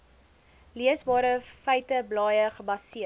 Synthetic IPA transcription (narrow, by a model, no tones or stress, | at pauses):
liəsbɑːɾəfəjtəblɑːjəχəbɐsiə